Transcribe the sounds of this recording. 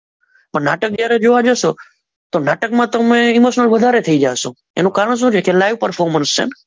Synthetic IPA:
pəɾnaːʈək̚d͡ʒjaːɾed͡ʒoʋad͡ʒəsoː | t̪oːnaːʈəkmãːt̪əmẽɪmoːʃnəlʋəd̪ʱaːɾet̪ʰəid͡ʒaːsõː | ḛːnũkaːɾəɳ̃s̬ũd͡ʒekelaɪʋpəɾfʰoːɾmənst͡ʃḛːn

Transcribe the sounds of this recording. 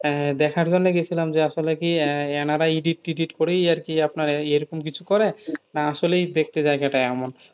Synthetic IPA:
ɛd̪ɛkʰaɾd͡ʑonːeɡet͡ɕʰilamd͡ʑeaʃolekiɛnaɾaiɖiʈːiɖiʈkoɾijaɾkiapnaɾejɾɔkomkit͡ɕʰukɔɾenaaʃolejd̪ek̚ʰt̪ed͡ʑajɡaʈaɛmon

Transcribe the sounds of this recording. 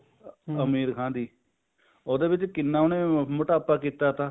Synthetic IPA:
əmiːɾkʰãːd̪iː | oːd̪eːʋɪt͡ʃkɪnːãːoneːməʈaːpaːkiːt̪aːt̪aː

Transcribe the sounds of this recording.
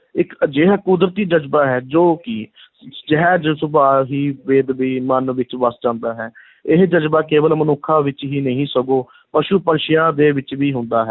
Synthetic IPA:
ɪkd͡ʒeːɦɛːkʊd̪ɾət̪iːd͡ʒəd͡ʒbaːɦɛːd͡ʒoːkiː | d͡ʒɪɦɛːd͡ʒsʊbaːɦiːʋeːd̪ʋiːmənʋɪt͡ʃʋəsd͡ʒãːnd̪aːɦɛː | ɪɦd͡ʒəd͡ʒbaːkeːʋəlmənʊkʰːãːʋɪt͡ʃɦiːnəɦĩːsəɡoː | pəʃuːpənʃɪjãːd̪eːʋɪt͡ʃʋiːɦʊ̃nd̪aːɦɛː

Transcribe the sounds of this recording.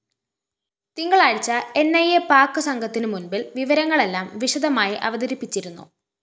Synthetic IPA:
t̪iŋɡɐɭaːɻit͡ɕːɐe̞nːɐjepaːkːɨsɐŋɡʱɐt̪ːinɨmunbilʋiʋɐɾɐŋːɐɭe̞lːaːmʋiʂɐd̪ɐmaːjiʔɐʋɐd̪ɐɾipːit͡ɕːiɾunːṵ

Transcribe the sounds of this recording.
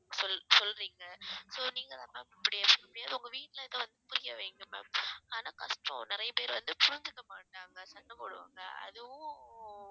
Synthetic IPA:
sɔlsɔlɾiːŋɡɐsoːniːŋɡɐðãːmamɪpːɐɽɪjaːpʊɽmɐɽɪjaːðɯʊŋɡɐʋiːʈːlɐɪðɐʋɐnd̪ɯpʊɾɪjɐʋeːŋɡɯmɛ̰maːnaːkɐʂʈɾõ̰nɪɾɐjɐpeːɾʋɐnd̪ɯpʊɾʊɲd͡ʒɯkːɐmaːʈːaːŋɡɐsɐnɖɐpoːɽɯʋa̰ːŋɡɐ̰ɐ̰ðɯʋʊ̃

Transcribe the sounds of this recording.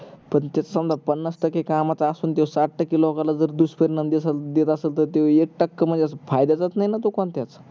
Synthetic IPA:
pəɳt̪jat͡sasəmd̪ʱapənːəsʈəkekamat͡saːsuːnt̪̬ewsaʈ̚ʈəkːelɔkalad͡zəɾd̪uspəɾnəmd̪esəd̪et̪əselt̪ət̪ewek̚ʈəkːəmənd͡zesəfajd̪at͡sat̪najnat̪okɔɳt̪jat͡s

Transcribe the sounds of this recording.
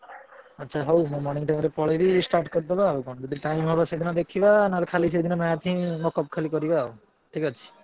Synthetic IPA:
atːʃʰaɦowmɔmɔɾniŋʈajmɾepɔɭeɾisʈaɾʈkɔɾid̪ɔbaːukɔɳ̃d͡ʒɔd̪iʈajmɦɔbased̪ʱinɔd̪ekʰibanaɾekʰalis̬ed̪ʱinɔmajat̪ʰĩmɔkɔp̚kʰalikɔɾibaw | ʈʰikat͡ʃʰi̥

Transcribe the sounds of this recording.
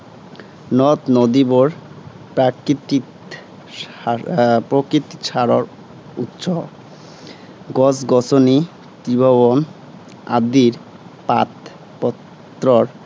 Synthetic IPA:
nɔt̪nɔd̪iboɾ | pɾakit̪i | pɾokɾit̪i̥t͡ɕʰaɾoɾ | ut̪ːʃo | ɡɔsɡɔsoni | t̪ɾibʱɔβon | a̰d̪iɾ | pat̪ | pɔt̪ː | ɾoɾ

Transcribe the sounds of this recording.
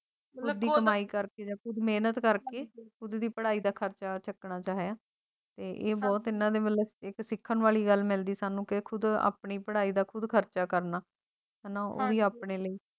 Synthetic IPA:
kʰʊd̪ːiːkəmaːiːkəɾkeːd͡ʒaːkʰʊd̪meːnət̪kəɾkeːkʰʊd̪d̪iːpəɽaːiːd̪aːkʰəɾt͡ʃaːt͡ʃəkɳaːt͡ʃaːɦjaː | t̪eːʔeːbɔːt̪ɪnãːd̪eːʋəleɪksɪkʰːənʋaːliːɡəlmɪld̪iːsaːnũːkɪkʰʊd̪a̰ːpɳiːpəɽaːiːd̪aːkʰʊd̪kʰəɾt͡ʃaːkəɾnaː | ɦɛːnãːo̰ːiːaːpɳeːləiː

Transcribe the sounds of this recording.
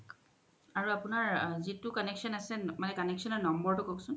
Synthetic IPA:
aɹuapunaɹzitukɔneksɔnasɛmanɛkɔnɛksɔnɔnɔmbɔɹtukoksʊn

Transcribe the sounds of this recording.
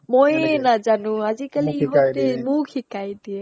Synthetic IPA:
mɔjnad͡ʒanũazikəliɦod̪emũkʰikajd̪ie

